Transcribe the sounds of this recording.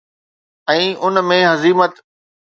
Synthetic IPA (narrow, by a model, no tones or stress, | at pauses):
ɛ̃ːʔʊnmẽɦɐziːmət̪